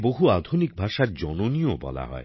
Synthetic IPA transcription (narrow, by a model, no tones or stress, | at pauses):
boɦuad̪ʱunik̚bʱaʃaɾd͡ʑɔnoniobɔ̰la̰ɦɔ̰e